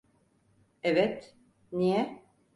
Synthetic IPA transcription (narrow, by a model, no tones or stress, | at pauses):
ɛvɛt̪ | nijɛ